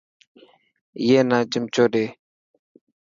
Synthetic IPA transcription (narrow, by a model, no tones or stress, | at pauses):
ɪjeːnãːt͡ʃəmt͡ʃoːɗeː